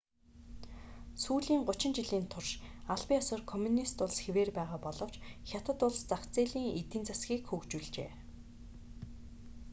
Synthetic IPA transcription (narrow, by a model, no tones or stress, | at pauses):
suːɮiːŋɢʊt͡ɕɪ̆nt͡ɕiɮiːnt̪ʰʊrʃaɮpʲiːŋɔsə̆rkʰɔmʲunist̪ʊɮsxeweːrpæːʁaːpɔɮɞ̆w̥t͡ɕxʲat̪ə̆t̪ʊɮst͡sakt͡seːɮiːŋit̪ĭnt͡sasɡʲiːkxukt͡ɕuɮt͡ɕḛː